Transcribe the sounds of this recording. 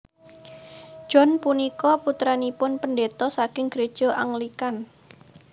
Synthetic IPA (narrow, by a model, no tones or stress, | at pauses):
ʒ̥ɔnpunikɔput̪ɾanipʊnpəndet̪ɔsakɪŋɡɾed̥ʒ̥o̤ʔaŋlikan